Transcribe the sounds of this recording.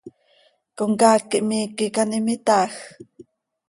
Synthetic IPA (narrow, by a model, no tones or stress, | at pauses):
koŋkaːkːiʔmiːkikanimit̪aːx